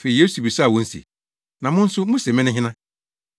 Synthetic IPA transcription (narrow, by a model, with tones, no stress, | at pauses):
fe˨i˨je˦su˨bi˨sa˦˨wɔ̃˦n̩˦sḭ˨ | nã˨mʊ̃˦n̩˦sʊ˦mʊ̃˦sɛ˨mɪ̃˦nʊ̃˦ɦɪ̃˦nã˦